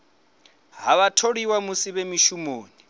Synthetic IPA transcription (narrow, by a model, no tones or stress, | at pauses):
ɦaβatʰoɺiwamusiβemiʃumoːni